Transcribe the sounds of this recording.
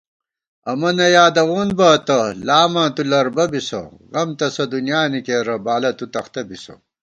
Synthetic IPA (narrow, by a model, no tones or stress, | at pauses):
ɐmɐnɐjaːd̪ɐɣuːnbɐt̪ɐlaːmɐːt̪ulɐɾbɐbisɐ̰ʁɐmt̪ɐsɐd̪unjaːnikeːɾɐbaːlɐt̪ut̪ɐxt̪ɐbisɐ̰